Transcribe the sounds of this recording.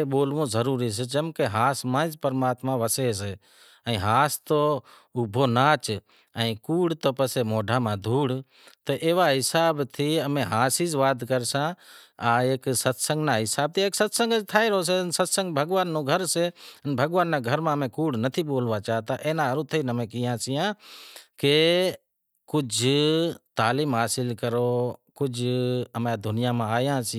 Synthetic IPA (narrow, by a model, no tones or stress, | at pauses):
eɓoːlʋõːzəɾuːɾiːs̬ed͡ʒəmkeɦaːsmãːd͡ʒpəɾmaːt̪mãʋəseːse | ə̃ɦaːst̪oːʊbʱoːnaːt͡ʃ | ə̃ĩkuːɽt̪oːpəsemoːɖʱaːmãːd̪ʱuːɽ | t̪əʔeːʋaːɦɪsaːbt̪ʰiəmẽɦaːsiːzʋaːd̪ʱkəɾsãaeːksət̪sə̃ŋɡnaɦɪsaːb̚t̪ʰieːksət̪sə̃ŋɡəd͡ʒt̪ʰaːeɾəɦos̬ensət̪sə̃ŋɡbʱəɡʋaːnːõɡʱəɾseənbʱəɡʋaːnːãɡʱəɾmãəmẽkuːɽnət̪ʰiboːlʋat͡ʃaːɦt̪aʔeːnãːəɾut̪ʰəinəmẽkɪjãːsɪjãːke | kʊd͡ʒʱt̪aːliːmɦaːsɪlkəɾokʊd͡ʒʱəmãd̪ʱʊnɪjamãaːjãːsɪ